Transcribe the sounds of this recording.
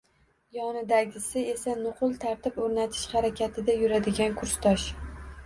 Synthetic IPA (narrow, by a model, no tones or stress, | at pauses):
jɒnɪd̪aɡʲɪsɪe̞sanʊqʰʊlˠt̪ʰaɾt̪ʰɪpɵɾnat̪ʰɪ̥ʃχaɾakʲʰat̪ʰɪd̪ajʊɾad̪ɪɡʲankʰʊɾst̪ʰɒʃ